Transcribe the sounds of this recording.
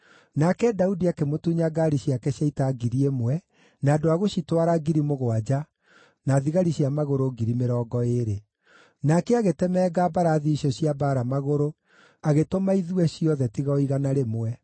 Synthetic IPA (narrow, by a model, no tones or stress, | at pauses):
nakɛdaudiakemotuɲaɡaɾiɕiakɛɕaitaɡiɾiemwɛ | naːdoaɣoɕitwaɾaɡiɾimoɣwad͡ʑa | naðiɣaɾiɕjamaɣoɾoɡiɾimeɾɔːɡɔeɾe | nakɛaɣetɛmɛːɡaːbaɾaðiɕɔɕiabaːɾamaɣoɾo | aɣetomaiðuɛɕiɔðɛtiɣaiɣanaɾemwɛ